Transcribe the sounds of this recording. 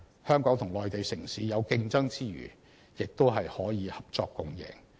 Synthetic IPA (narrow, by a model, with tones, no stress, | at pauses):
hœː˥ŋkɔː˨˥ŋt̪ʰŋlɔː˨jt̪e˨jsɪ˨˩ŋsiː˨˥jɐ˨˧wkɪ˧ŋt͡sɐ˥ŋt͡siː˥ɥy̰ː˨˩ | jɪ˨k̚t̪o˥wɦɐ˨jhɔː˨˥jiː˨˧hɐ˨p̚t͡ʃɔː˧kːʊ˨ŋjɪ̰˨˩ŋ